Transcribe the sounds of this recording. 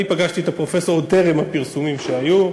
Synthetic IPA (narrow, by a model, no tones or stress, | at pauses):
ipaɡaʃt̪iet̪apʁo̞fe̞soodt̪eʁemhapiʁsumimʃeaju